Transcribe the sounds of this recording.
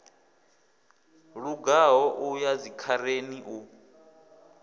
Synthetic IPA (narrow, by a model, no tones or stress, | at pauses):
ɺuɡaɦɔʔujad͡zikʰaɾeniʔu